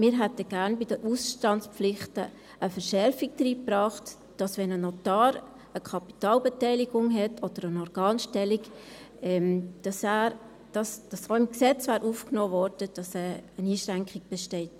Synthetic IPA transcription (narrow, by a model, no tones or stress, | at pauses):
mɪːɾɦɛtəɡ̥æːɾnbid̥əɾʔusʃtɑnspp͡flɪχtə | ʔəfəɾʃɛɾfiɡ̚dɾiːpɾɑːχt | d̥ɑsʋɛnənotɑːɾ | əkʰɑpi̥tɑːlbetɛɪliɡʊŋɦɛtʰɔd̥əɾənɔɾɡ̥ɑːnʃtɛlik | ɛmd̥ɑsæːɾ | d̥ɑsd̥ɑsoːɪmksɛt͡svæːɾʔuːfknoːvɔɾdəd̥ɑsɛəniːʃɾæŋkχɪɡ̚b̥ɛʃtɛɪt